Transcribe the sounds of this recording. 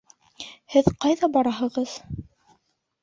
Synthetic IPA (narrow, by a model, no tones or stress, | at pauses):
hɘðqɑjðɑbɑɾɑɦɤ̆ʁɤð̥